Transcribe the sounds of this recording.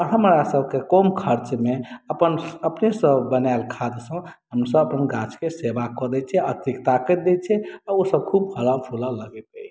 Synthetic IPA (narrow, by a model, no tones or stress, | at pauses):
ɔɾɦəmɾasəbkekɔmkʰəɾt͡ʃmeəpənəpnesəbbənaelkʰad̪sə̃ɦəmsəbəpənɡãt͡ʃʰkesebakɔd̪ɛt͡ʃʰɛət̪ikt̪akəd̪ɛt͡ʃʰɛaosəb̚kʰubhəlapʰulaləɡɛt̪ɛ